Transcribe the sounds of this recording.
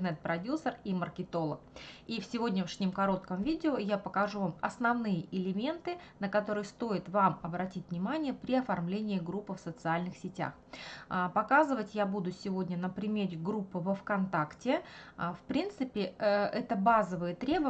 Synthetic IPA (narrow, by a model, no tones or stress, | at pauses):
nɛt̪̚pɾɐdʲusərimərkʲɪt̪o̞lˠəkifsʲɪvo̞dʲnʲəʂnʲɪmkɐɾo̞t̪kəmvʲidʲɪojapəkɐʐuvamɐsnɐvnɨjəʔɪlʲɪmʲe̞nt̪ɨ | nəkɐt̪o̞ɾɨjst̪o̞ɪt̪vamɐbɾɐtʲitʲvnʲɪmanʲɪjəpɾʲɪɐfɐrmlʲenʲɪːɡɾupːɨfsət̪sɨalʲnɨxsʲɪtʲa̰x | pɐkazɨvətʲjabud̪ʊsʲɪvo̞dʲnʲənəpɾʲɪmʲeɾʲɪɡɾupːɨvəfkɐnt̪aktʲɪəfpɾʲint̪sɨpʲɪɛt̪əbazəvɨjət̪ɾʲe̞bə